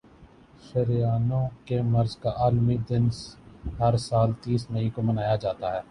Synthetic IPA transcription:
ʃɐɾjaːnõkemɐɾzkaʔaːlmid̪ɪnsɦɐɾsaːlt̪iːsmɐɦĩkomɐnaːjad͡ʒaːt̪aɦɛː

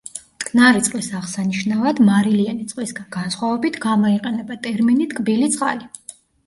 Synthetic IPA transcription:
t̪kʰnaɾit̪sqʼwisaʁsaniʃnavad̪maɾilianit̪sʼqʼwisɡanɡansχwavɛbit̪ʰɡamɔiqʼɛnɛbat̪ʼɛɾminit̪ʰkʼbilit̪sʼqʼa̰li

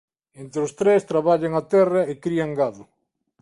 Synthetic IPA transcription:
ent̪ɾɪʊst̪ɾest̪ɾaβaʎaŋat̪ɛrɐekɾiaŋɡaðʊ

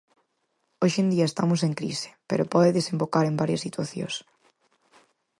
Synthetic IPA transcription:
oʃend̪iɐest̪amʊseŋkɾḭsɪ̥pḛɾopɔðeðesẽmbokaɾembaɾjɐsːit̪waθjo̰s

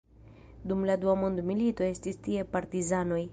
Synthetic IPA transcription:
dumladuamo̞ndmilito̞e̞stistie̞paɾtizano̞j

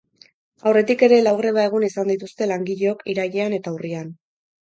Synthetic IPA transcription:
awre̞t̪ike̞ɾe̞lawɣre̞βae̞ɣ̞unisand̪it̪ust̪e̞laŋɡiʎeo̞kiɾaʎeane̞t̪aurian

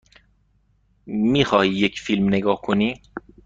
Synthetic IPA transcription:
miːxɒːhiːjecʰfilmneɡɒːhkʰoniː

